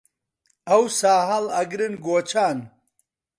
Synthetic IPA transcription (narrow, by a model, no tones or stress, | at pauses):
ɐwsaːɦɐlɐɡɾɨnɡoːt͡ʃʰaːn